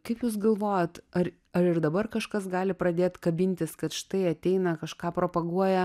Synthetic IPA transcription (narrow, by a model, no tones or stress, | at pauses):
kɐɪpjuːsɡɐlˠʋoːjot̪ɐɾ | ɐɾɪɾd̪ɐbɐrkɐʃkɐsɡɑːlʲɪpɾɐd̪ʲeːt̪kɐbʲɪnʲt̪ʲɪskɐt̪ʃɪ̥t̪ɐɪɐt̪ʲɛɪnɐkɐʃkɑːpɾoːpɐɡuɔjɛ